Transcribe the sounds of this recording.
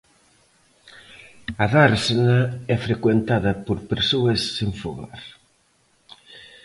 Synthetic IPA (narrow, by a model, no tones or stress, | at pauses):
ɐðaɾsenɐɛfɾekwent̪aðɐpoɾpeɾsoɐsːeɱfoɣa̰ɾ